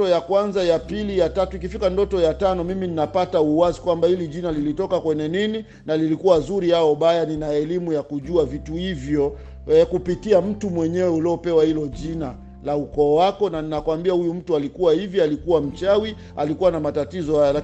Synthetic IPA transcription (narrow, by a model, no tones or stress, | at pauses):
ɔjakwanzajapilijatatuik̬ifikandɔtɔjatanɔmimininapatauwazikwambahiliʄinalilitɔkakwɛɲɛnini | nalilikuwazuɾihaɔɓajaninaɛlimujakuʄuavituhivjɔ | ɛkupitiam̩tumwɛɲɛwɛuliɔpɛwahilɔʄina | laukɔːwakɔnaninakwambiahujum̩tualikuwahivjɔalikuwam̩t͡ʃawi | alikuwanamatatizɔhajala